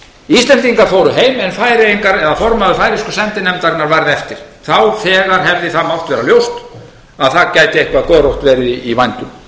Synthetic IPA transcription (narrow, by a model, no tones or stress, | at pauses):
ist̪lɛnt̪iŋkafoːwɾʏɦeːjmɛnfaːjɾɪejŋkaɾɛðafɔɾmaðʏfaːjɾɪskʏsɛnt̪ɪnɛmt̪aɾnaɾvajɾðɛft̪ɪɾ̥θawθɛːɣaɾ̥ɦɛvðɪθamawht̪vɛːɾaljowst̪ | aðθaðcajt̪ɪehkvaðkœːɾowht̪vɛːɾɪivajnt̪ʏm